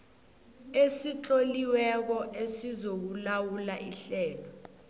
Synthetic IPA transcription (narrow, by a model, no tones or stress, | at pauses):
esit͡ɬʼoliwɛk̬ɔʔesizok̬ulawulaʔiɬɛːlɔ